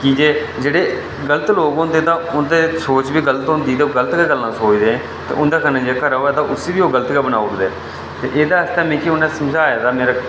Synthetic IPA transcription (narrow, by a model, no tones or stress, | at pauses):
kid͡ʒeːd͡ʒeːɽeː | ɡələt̪loːɡõnd̪ẽːt̪ãːʊnd̪eːsoːt͡ʃbiːɡələt̪ɦõːnd̪iːt̪eːɡələt̪keːɡəlːãːsoːt͡ʃd̪eːɛ̃ː | t̪ḛːʔʊnd̪aːkənãːd͡ʒeːkəɾaːɦoːɛːt̪ãːʔʊseːʋiːoːɡələt̪kɛːbənaːkd̪eː | t̪ḛːʔeːd̪aːəst̪ɛːmẽːkiʊnɛ̃ːsəmd͡ʒaːjad̪aːmeːɾaː